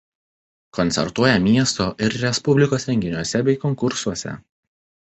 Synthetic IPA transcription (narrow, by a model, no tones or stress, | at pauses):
kɔnt̪sʲɛ̰ɾt̪uɔjɛmʲiɛst̪oːʔɪɾɾʲɛspʊbʲlʲɪkoːsɾʲɛŋʲɡʲɪnʲuɔsʲɛbʲɛɪkɔŋkʊɾsuɔsʲɛ̰